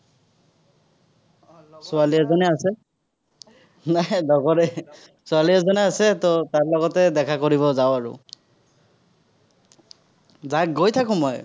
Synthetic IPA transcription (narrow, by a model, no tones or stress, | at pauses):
sʊaliɛzɔnɛasɛ | najdɔɡɔɹɛ | sʊaliɛzɔnɛasɛtɔtaɹlɔɡɔtɛdɛkʰakoɹiβɔzaʊaɹʊ̰ | zakɡojtʰakʊ̃mɔj